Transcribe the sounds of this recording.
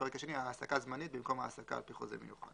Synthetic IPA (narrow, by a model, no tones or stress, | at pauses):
eʁekaʃeniaːsakazmanit̪̚bimko̞mhaːsaka̰ːlpiχozḛmḛjuχa̰d̥